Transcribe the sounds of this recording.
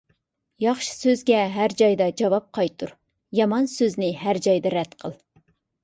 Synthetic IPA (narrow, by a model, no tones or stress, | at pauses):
jɑχʃɨ̥søzɡʲɛɦæɾd͡ʒɑjd̪ɑd͡ʒɑvɑp̚qʰɑjt̪ʰuɾ | jɑmɑnsøznɪɦæɾd͡ʒɑjd̪ɨɾɛt̪qʰəlˠ